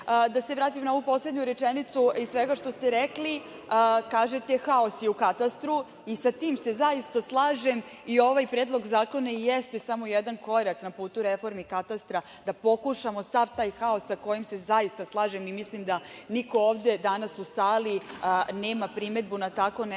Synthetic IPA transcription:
d̪aseʋɾaːt̪imnao̞vupo̞sled̪ɲuɾet͡ʂenit̪suisʋeɡaʃt̪o̞st̪e̞ɾekli | əkaːʒet̪exao̞sjeukat̪ast̪ɾu | isat̪iːmse̞zaist̪aslˠaːʒem | io̞ʋajpɾed̪lˠo̞ɡzaːko̞naijest̪esamo̞jed̪anko̞ɾaknapuːt̪uɾefo̞ɾmikat̪ast̪ɾa | d̪apo̞kuʃamo̞saʋt̪aːjxao̞sːako̞jimse̞zaist̪aslˠaːʒemimislimd̪anikooːʋd̪e̞d̪anasusaːliəneːmapɾime̞d̪bunat̪ako̞n

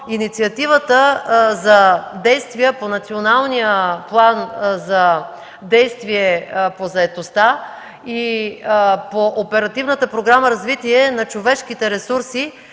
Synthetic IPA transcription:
init̪siɐt̪ivət̪əzɐd̪ɛjst̪vijəponɐt̪sionalˠnijəplˠanzɐ | d̪ɛjst̪viɛpozɐɛt̪ost̪a | i | poʔːpɛɾɐt̪ivnət̪əpɾoɡɾaməɾɐzvit̪iɛnɐt͡ʃovɛʃk̟it̪ɛɾɛsuɾsi

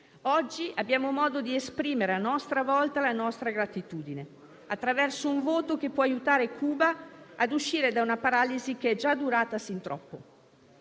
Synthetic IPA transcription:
ɔd͡ʒːiʔabːjaːmomɔːd̪od̪iespɾiːmeɾeanɔst̪ɾavɔlt̪alanɔst̪ɾaɡɾat̪it̪uːd̪ine | at̪ːɾavɛrsouɱvoːt̪ok̟epːwɔajut̪aːɾekʰuːbaːd̪uʃːiːɾed̪aunapaɾaːlizik̟eɛd͡ʒad̪uɾaːt̪asint̪ɾɔpːo

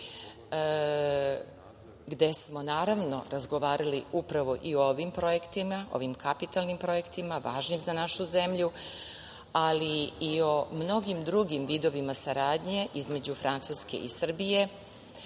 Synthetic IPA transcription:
ɡd̪e̞smo̞naːɾaʋno̞̰ɾazɡo̞ʋaːɾaliupɾaʋo̞ʔiooʋimpɾo̞je̞kt̪imao̰ʋimkʰapit̪alnimpɾo̞je̞kt̪imaʋaːʒnimzanaʃuze̞mʎu | aliio̞mno̞ɡimd̪ɾuɡimʋiːd̪o̞ʋimasaɾaːd̪ɲe̞ʔizme̞d͡ʑufɾant̪suske̞̰ʔisr̩bije̞

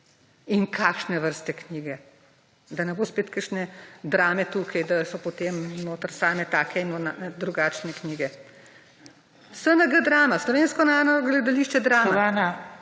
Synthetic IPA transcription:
iŋkʰaːkʃnɛʋəɾst̪ɛkniːɡɛ | d̪ɐnɛboːspeːt̪kəʃnɛd̪ɾaːmɛt̪uːkʰajd̪asɔpɔt̪eːmnoːt̪əɾsaːmɛt̪aːkʰɛinɔnad̪ɾuɡaːt͡ʃnɛkniːɡɛ | sənɐɡəd̪ɾaːmaslɔʋeːnskɔnaːnɔɡlɛd̪aliːʃt͡ʃɛd̪ɾaːmaana

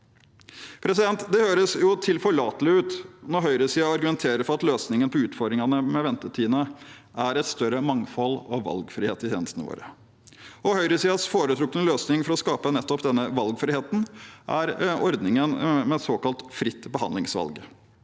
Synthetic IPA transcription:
pʰɾɛsɪd̪ɛnt̪d̪ɛhøːɾəsjʊt̪ʰɪlfɔɭɑːt̪əlɪʉːt̪nɔɾɦœʏɾəsiːɑɑɾɡʉmɛnt̪ʰeːɾəfɔɾɑt̪løːsnɪŋənpʰɔʉːt̪fɔɾd̪ɾɪŋɑnəmɛʋɛnt̪ət̪ʰiːnəʔæɾɛt̪st̪œɾəmɑŋfɔlːɔʋɑ̰lɡfɾɪheːt̪ɪt̪ʰḛːnəst̪ənəʋo̰ːɾə | ɔhœʏɾəsiːɑsfoːɾət̪ʰɾʊːkːənəløːsnɪŋfɔɾɔskɑːpənɛt̪ːɔpd̪ɛnːəʋɑlɡfɾɪheːt̪n̩ʔæɾɔɾd̪nɪŋənmɛsoːkɑlt̪fɾɪt̪ːbəhɑ̰nd̪lɪŋsʋɑ̰lɡ

